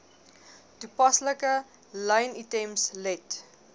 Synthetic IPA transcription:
tupɐsləkə | ləjnitɛmslɛt

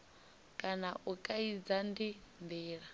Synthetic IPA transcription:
kʼanaʔukʼaid͡zandimb̪iːɺa

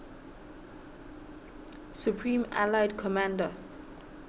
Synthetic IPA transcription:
sjupʰɹĩma̰laɪdkʰɔmãndə

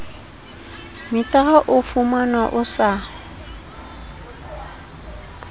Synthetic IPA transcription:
mɪtʼaɣaʔʊfumanwaʔʊsa

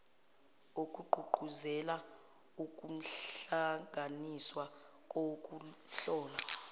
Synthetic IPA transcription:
ok̬ʼuɡ͡ǃʱuɡ͡ǃʱuzɛla | uk̬ʼum̩ɬaŋʱaniswa | kʼok̬ʼuɬɔːla

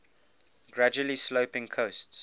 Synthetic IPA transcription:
ɡ̥ɹad͡ʒuəlisloʊpɪ̃ŋkʰoʊsts

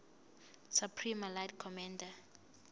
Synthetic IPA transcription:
supʰrimaladkʰɔmanda

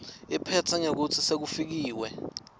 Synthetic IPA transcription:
ipʰɛtʰaɲak̬utʰisek̬ufik̬iːwɛ

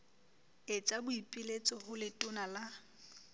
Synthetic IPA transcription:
et͡sʼabʊipʼilet͡sʼɔhʊlɪtʼʊnala

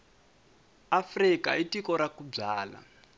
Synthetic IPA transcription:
afrikaitikɔɾakub͡ʐaːla̰

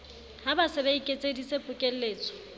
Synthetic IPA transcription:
habasɪbeikʼet͡sʼedisepʼʊkʼel̩leːt͡sʼɔ̥

